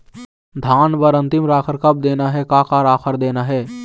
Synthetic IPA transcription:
d̪ʱaːnbəɾə̃nt̪ɪmɾaːkʰəɾkɐb̚d̪eːnaɦɛkaːkaɾaːkʰəɾd̪eːnaɦɛː

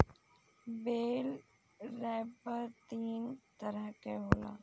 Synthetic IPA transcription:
bel | ɾɛjpəɾt̪iːnt̪əɾəkeɦola̰

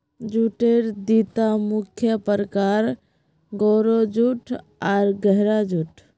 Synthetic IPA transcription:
d͡ʒuʈeɾd̪it̪amukʰjəpəɾəkaɾ | ɡoɾod͡ʒuʈʰ | aɾɡəɦɾad͡ʒuʈʰ

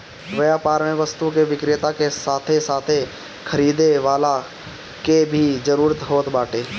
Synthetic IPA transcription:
ʋəjaːpaːɾmẽʋəst̪ukeʋɪkɾɪt̪akesaːt̪ʰesaːt̪ʰe | kʰəɾiːd̪eʋaːla | kebʱid͡ʒəɾuːɾət̪ɦoːt̪baːʈeː

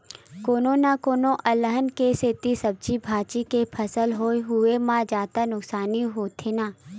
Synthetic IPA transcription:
koːnõnakoːnõʔɐləɦənkeset̪isɐb̚t͡ʃibʱaːt͡ʃikepʰəsəlɦoːiɦʊemãd͡ʒaːt̪anʊksaːniɦoːt̪ʰenaː

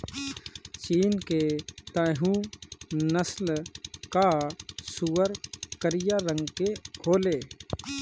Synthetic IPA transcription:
t͡ʃiːnket̪əːɦũ | nəslkasuːəɾkəɾɪjaɾə̃ŋɡkekʰoːleː

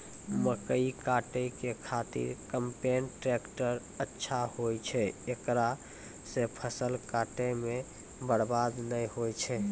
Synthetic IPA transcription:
məkəikaʈekekʰat̪ḭɾkəmpenʈɾekʈəɾ | ətːʃʰahojt͡ʃʰɛekɾa | sepʰəsəlkaʈeme | bəɽbad̪nəjhojt͡ʃʰɛ

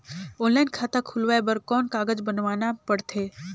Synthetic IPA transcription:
oːnlaɪnkʰaːt̪akʰʊlʋaebəɾkɔːnkaːɡəd͡ʒbənʋaːnapəɽt̪ʰeː

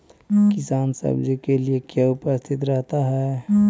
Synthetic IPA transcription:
kɪsaːnsə̰bd͡ʒikeliekjaʊpəst̪ʰɪt̪ɾɛɦt̪aɦɛ

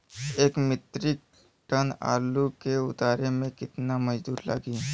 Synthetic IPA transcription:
eːkmɪt̪ɾɪk̚ | ʈəna̰ːlukeʊt̪aːɾemẽkɪt̪namɐd͡ʒd̪uːɾla̰ːɡiː

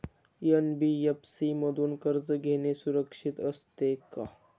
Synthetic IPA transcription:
jənbijəpsiməd̪unkəɾd͡zəɡʱenesuɾəkʂit̪əst̪eka

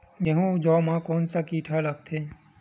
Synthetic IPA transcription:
jeɦũd͡ʒɔːmãkoːnsakiːʈʰaləɡt̪ʰeː

